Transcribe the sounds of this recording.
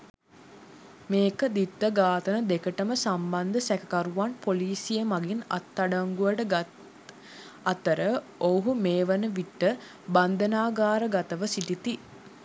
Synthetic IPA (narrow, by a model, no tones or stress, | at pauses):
meːkəd̪it̪ːəɡaːt̪ənəd̪ekəʈəməsamband̪əsækəkaɾuʋanpoliːsijəmaɡina̰t̪ːaɖaŋɡuʋəʈə | at̪əɾə | oɦumeːʋənəʋiʈːə | band̪ənaːɡaːɾəɡat̪əʋəsiʈit̪i